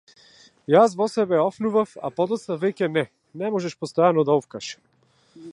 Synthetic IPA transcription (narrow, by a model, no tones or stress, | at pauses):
jasvɔsɛbɛɔfnuvafa̰pɔd̪ɔt̪st̪avɛcɛnɛ | nɛmɔʒɛʃpɔst̪ɔjanɔd̪aɔfkaʃɛ̥m